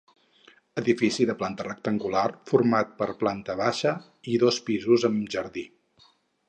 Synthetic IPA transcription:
əðifisiðəplant̪ərək̚t̪əŋɡularfuɾmat̪̚pəɾplant̪əβaʃə | iðospizuzəmʒəɾði

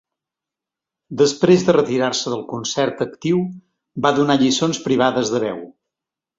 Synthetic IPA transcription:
d̪əspɾezðərət̪iɾarsəðəlˠkunsɛɾt̪əkt̪iw | baðunaʎisonspɾiβ̞aðəzðəβɛw

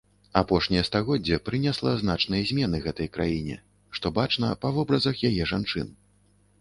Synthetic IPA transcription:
apɔʂnʲijɛst̪aɣɔdd͡zʲːɛpɾɨnʲɛslˠɐznat͡ʂnɨjɐzʲmʲɛnɨɣɛt̪ɐjkɾajinʲɛ̰ | ʂt̪ɔbat͡ʂnɐ̰pɐvɔbɾɐzɐxjajɛʐant͡ʂɨn

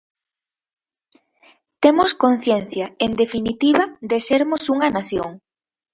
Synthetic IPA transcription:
t̪emʊskon̟θjen̟θjɐend̪efinit̪iβɐd̪eseɾmʊsuŋɐnaθjo̰ŋ

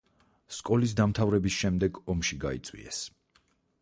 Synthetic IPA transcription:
skʼɔlis̬d̪amt̪ʰavɾɛbisʃɛmd̪ɛɡɔmʃiɡa̰ḭt̪sʼwḭɛ̰s

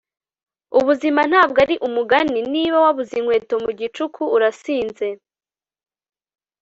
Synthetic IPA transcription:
uβuziman̥haːbɡaɾiʔumuɡaniniβawaβuziŋ̥hwe̞ːtomuɟit͡ʃukʰuuɾasiːnze̞

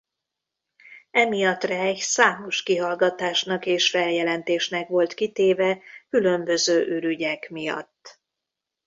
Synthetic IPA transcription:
ɛmijɒt̪rɛːɟsaːmo̞ʃkiɦɒlɡɒt̪aːʃnɒkeːʃfɛljɛlɛnt̪eːʃnɛkʋo̞lt̪kit̪eːvɛkylø̞mbø̞zøːʔyɾyɟɛkmijɒ̰t̪ː

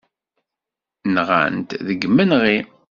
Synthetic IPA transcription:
nʁæ̰nt̪ðəɡmːənʁi

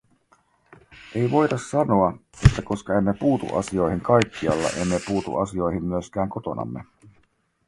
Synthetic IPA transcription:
ʔe̞jʋo̞jdɑsːɑno̞ɑet̪ːæko̞skɑe̞mːe̞puːt̪ṵʔɑ̰sio̞jɦiŋkɑjkːiɑ̰lːɑ̰ʔe̞mːe̞puːt̪ṵʔɑsio̞jɦimːyøsk̟æːŋko̞t̪o̞̰nɑ̰mːe

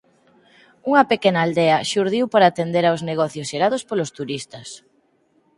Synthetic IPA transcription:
uŋɐpekenaːld̪ɛɐʃuɾðiwpaɾaːt̪end̪eɾawzneɣɔθjosʃeɾað̞ospolost̪uɾist̪ɐs

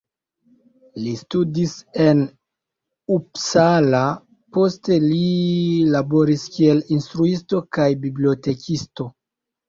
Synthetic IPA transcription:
listudise̞n | upsala | po̞ste̞lilabo̞ɾiskie̞linstɾuisto̞kajbiblio̞te̞kʰisto̞

